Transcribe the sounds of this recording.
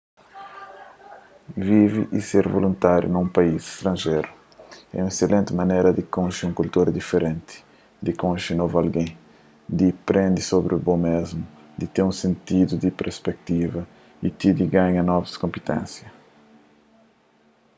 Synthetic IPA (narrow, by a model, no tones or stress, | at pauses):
viviʔiseɾvolũnt̪aɾjṵnũpɐizi̥ʃt̪ɾɐ̃nʒejɾu | ɛ̰ũeselẽnt̪ɪmɐnejɾɐd̪ikõnʃiũŋkult̪oɾd̪ifeɾẽnt̪i̥ | d̪ikõnʃinovualɡẽj̃ | d̪ipɾʔẽnd̪isobɾiubomezmu | d̪it̪eɾũsẽnt̪id̪ud̪ipeɾspɛk̚t̪ivɐ | it̪id̪iɡaɲɐnɔvɐskõmpit̪ḛ̃nsjɐ